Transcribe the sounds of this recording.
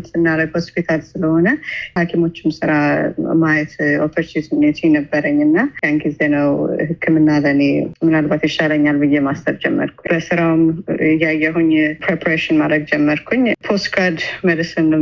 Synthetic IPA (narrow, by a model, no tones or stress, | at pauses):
t̪ɨnːaɾəɡho̞spit̪ʰalsɨləho̞nəhakʰimo̞t͡ʃːɪmsɨɾamajɛt̪ofəɾt͡ʃit̪net̪ʰɛnəbːəɾəɲːɨnːajanɡizenəwhɨkʰːɨmɨnːalənemɨnalbat̪jɛʃaləɲːalbɨjːemast̪ʰəβd͡ʒɛmːə̰ɾkʰub̥əsɨɾawmɨjajɛɦuɲpʰɾepʰaɾeʃɪnmad̪ɾəɡ̚d͡ʒɛmːəɾkʰuɲːpʰo̞st̪kʰaɾd̪məd̪ɨsɨmlə